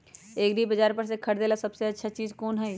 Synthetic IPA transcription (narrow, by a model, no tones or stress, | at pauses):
eːɡɾibəd͡ʒaːɾpəɾs̬ekʰɐɾd̪eːlasɐbseɐtːʃʰat͡ʃiːzkoːnɦɛi